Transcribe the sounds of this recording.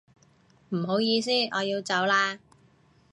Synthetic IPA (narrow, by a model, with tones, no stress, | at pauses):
m̩˨˩ɦo˨˥wjiː˧s̬iː˥ɔː˨˧jiː˧wt͡sɐ˨˥wlaː˧